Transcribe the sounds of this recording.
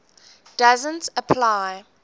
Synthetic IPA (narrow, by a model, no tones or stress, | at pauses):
d̥azə̃ntəpʰlaɪ